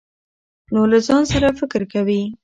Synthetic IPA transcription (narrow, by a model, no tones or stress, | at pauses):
nolazɑnsaɾafɪkɾkawi